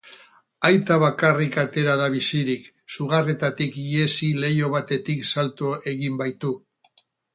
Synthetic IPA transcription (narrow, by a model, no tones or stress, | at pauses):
ajt̪aβ̞akarikat̪e̞ɾaðaβisiɾik | suɣ̞are̞t̪at̪ikie̞sile̞jo̞βat̪e̞t̪iksalt̪oe̞ɣimbajt̪u